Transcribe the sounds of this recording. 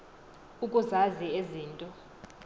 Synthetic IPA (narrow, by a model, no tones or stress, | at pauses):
ukʼuzazieziːntʼɔ